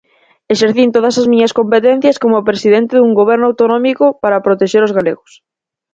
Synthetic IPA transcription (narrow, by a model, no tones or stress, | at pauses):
eʃeɾθint̪oðɐsɐzmiɲɐskompet̪ɛn̟θjɐskomʊpɾesiðent̪ɪðuŋɡoβ̞ɛɾnʊawt̪onɔmikʊpaɾɐpɾot̪eʃeɾozɣalḛɣʊs